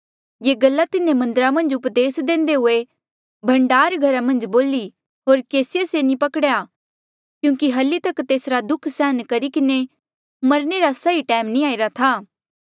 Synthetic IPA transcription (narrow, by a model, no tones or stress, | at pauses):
jeːɡɐlːat̪ɪnːemɐ̃nd̪əɾamɐ̃nd͡ʒʊpd̪eːsd̪ẽːnd̪eɦʊe | bʱɐ̃ɳɖaːɾɡʱɐɾamɐ̃nd͡ʒboːli | ɦoːɾkeːsɪjesenĩpɐkɽja | kjũːkiɦɐlːit̪ɐkt̪eːsɾad̪ʊkʰsɛːənkɐɾikɪne | mɐɾneɾasɐiʈɛːmnĩaːɪɾat̪ʰaː